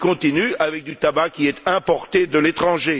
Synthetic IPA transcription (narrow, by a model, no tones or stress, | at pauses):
kɔ̃t̪inyavɛk̚d̪yt̪abakʲiɛt̪ɛ̃pɔʁt̪ed̪əlet̪χɑ̃ʒe